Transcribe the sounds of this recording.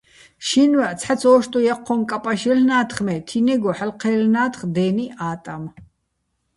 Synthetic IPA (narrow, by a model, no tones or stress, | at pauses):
ʃinwat͡sʰħat͡sʰɔːʃt̪ʼɔjɛqʰːɔmkʼapʼaʃɛlnaːt̪ʰχmɛt̪ʰinɛɡɔħalqʰɛːlnaːt̪χd̪ɛːniʔaːt̪ʼam